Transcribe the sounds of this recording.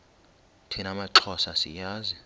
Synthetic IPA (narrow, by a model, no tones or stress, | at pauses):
tʰinamaǁʰɔsasḭjaːzi